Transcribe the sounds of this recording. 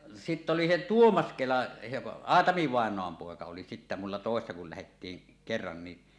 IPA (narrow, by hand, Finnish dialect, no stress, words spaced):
sitː oli se tuomɑs kelɑ se ɑːtɑmi ʋɑˑenˑoɑm poˑekɑ oli sitːæ mulːɑ toˑesːɑ kul læhetːiːŋ kerːɑn ni